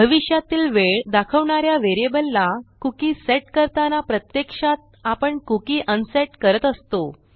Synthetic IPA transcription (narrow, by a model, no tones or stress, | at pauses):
bʱəʋiɕjat̪iːlʋeɭd̪akʰəʋɳaɾjaʋeɾiebəlːakukiseʈkəɾt̪anapɾət̪jekʂat̪̚apəɳkukiːʔənseʈkəɾət̪əst̪o